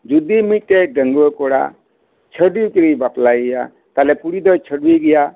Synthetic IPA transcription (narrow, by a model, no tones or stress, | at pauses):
d͡ʒud̪imiʈeɖəŋɡɔkɔɽa̰ | t͡ʃʰəɖikiɾibaplajɡɛja | t̪alɛpuɽid̪ɔjt͡ʃʰəɖwiɡija